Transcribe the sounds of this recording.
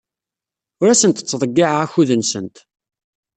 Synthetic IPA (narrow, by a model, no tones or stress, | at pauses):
ʊɾæsənt̪ət͡sːðˤəɡːiʕʁæçuðənsə̰nt̪